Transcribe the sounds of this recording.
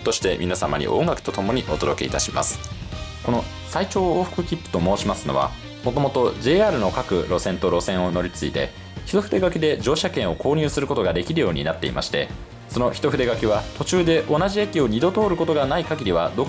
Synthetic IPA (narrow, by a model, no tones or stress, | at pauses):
t̪oɕi̥t̪e̞mʲʔʲinasama̰ɲ̟ḭʔõ̞ŋɡakɯ̟̥t̪o̞t̪o̞mo̞ɲ̟iʔo̞d̪o̞d̪o̞keḭt̪aɕima̰sɨ̥ko̞no̞ | sait͡ɕo̞ːoːɸɯ̟̥kɯ̟kʲipːɯ̟̥t̪o̞mo̞ːɕimasɨno̞βa̰ | mo̞t̪o̞mo̞t̪o̞ʑeːaːɾɯ̟no̞kakɯ̟̰ɾo̞sẽnt̪o̞ɾo̞sẽ̞ɰ̃o̞no̞ɾʲit͡sɨit̪e̞̰ | çi̥t̪o̞ɸɯ̟d̪e̞ɡakʲid̪e̞d͡ʑo̞ːɕakẽ̞ɰ̃o̞ko̞ːɲ̟ɨːsɨɾɯ̟ko̞t̪o̞ɡad̪e̞kʲiɾɯ̟jo̞ːɲ̟ḭnat̪ːe̞̰ḭmʔa̰ɕi̥t̪e̞̰ | so̞no̞çi̥t̪o̞ɸɯ̟d̪e̞ɡakʲiβ̞at̪o̞t͡ɕɨːd̪e̞ʔo̞naʑie̞kʲio̞ɲ̟id̪o̞t̪o̞ːɾɯ̟ko̞t̪oɡanaikaɡʲiɾʲiβad̪o̞